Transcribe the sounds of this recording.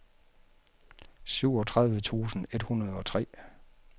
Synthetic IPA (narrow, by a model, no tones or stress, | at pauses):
syʊ̰ɒ̽t͡sʰʁäðˠʋət͡sʰṵːsn̩e̝d̥hunɐð̞ˠɒ̽t͡sʰʁɛ̰ː